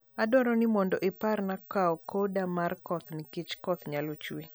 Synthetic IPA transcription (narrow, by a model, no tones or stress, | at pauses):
adɔɾɔnɪmɔndɔʔɪparnakaɔkʰodamarkɔt̪nɪkɪt͡ʃkɔt̪ɲalot͡ʃwe